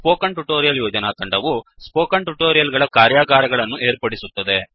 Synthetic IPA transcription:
poːkɐɳʈuʈoːɾijɐljoːd͡ʒɐnaːt̪ɐɳɖɐʋuspoːkɐɳʈuʈoːɾijɐlɡɐɭɐkaːɾjaːɡaːɾɐɡɐɭɐnːuʔe̞ːɾpɐɽisut̪ːɐd̪e̞

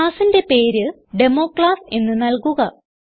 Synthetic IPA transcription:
aːsinde̞pe̞ːɾɨ | ɖe̞mo̞ːkɭaːse̞nːɨnɐlkuɣɐ

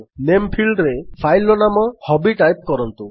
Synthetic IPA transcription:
nempʰilɖɾepʰajlːɔnamɔhɔbiʈajp̚kɔɾɔnt̪u

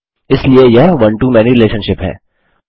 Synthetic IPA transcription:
ɪsliejɐɦʋɐ̃ɳʈuːmɛːniɾɪleːʃənʃɪpɦɛ̰ː

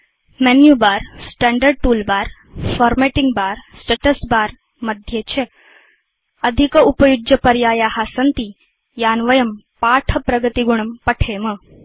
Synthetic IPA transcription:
mɛnjubaːɾsʈɛːɳɖəɾɖ̚ʈuːlbaːɾ | fɔːɾmeʈiŋɡbaːɾsʈeʈəsbaːɾ | mɐd̪ʱjet͡ɕʰe | ɐd̪ʱikəupɐjud͡ʒjɐpɐɾjaːjaːhaːsɐnt̪i | jaːnʋɐjɐmpaːʈʰɐpɾɐɡət̪iɡuɳɐmpɐʈʰeːmə

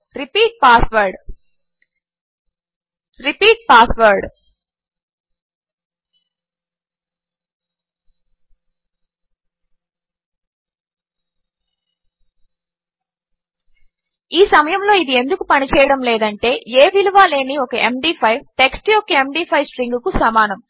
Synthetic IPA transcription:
ɾipiːʈ̚paːsʋɐɾɖ | ɾipiːʈ̚paːsʰʋɐɾɖ | iːsɐmɐjɐmlo̞ːid̪ie̞nd̪ukupɐnit͡ʃɛːjɐɽɐmlɛːd̪ɐɳʈe̞ːeːʋiluʋaːle̞ːniɔkɐʔemɖiːpʰɐjʈe̞ksʈiokeemɖiːpʰɐjsʈɾiŋɡukusɐmaːnɐm

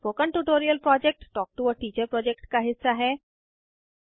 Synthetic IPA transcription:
pokə̃ɳʈuʈoːɾijəlpɾɔd͡ʑek̚ʈːɔːk̚ʈuəʈiːt͡ɕəɾpɾɔd͡ʑek̚ʈkaɦɪsːaɦɛː

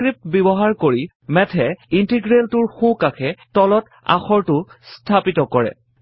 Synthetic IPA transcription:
kɹip̚tbibɔɦaɹkoɹi | mɛtʰɛintiɡɹeltʊɹxũkakʰɛtɔlɔt | a̰xɔɹtʊstʰapitɔkɔɹɛ̰

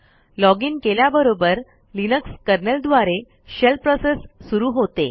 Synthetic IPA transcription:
lɔɡiːnkeljabəɾobəɾ | linəkskəɾnəld̪ʋaɾe | ɕelpɾɔsesːuɾuːɦot̪e

